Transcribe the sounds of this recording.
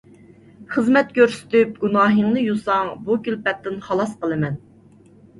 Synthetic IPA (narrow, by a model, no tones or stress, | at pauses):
χəzmɛt̪̚kʲøɾsy̥t̪yp̚ɡunɑːɦəŋnɨjusɑŋbukʲylpɛt̪ːɪnχɑlˠɑsqəlˠɨmɛn